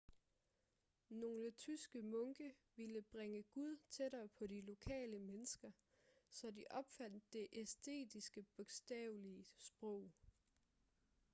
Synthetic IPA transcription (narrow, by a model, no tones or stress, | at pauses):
no̝ːlət͡sʰysɡ̥əmɔ̽ŋɡ̥əʋiləb̥ʁeŋəɡ̥uð̞ˠt͡sʰeɾɐːpʰɒ̽ɾilo̝kʰɛ̰ːləmenəsɡ̥ɐ | sɒ̽diʔɒ̽b̥fæn̰d̥ːe̝ʔesd̥e̝̰ːd̥isɡ̥əb̥ɔ̽ɡ̥sd̥ɛʊliəsb̥ʁɔ̽ʊ̰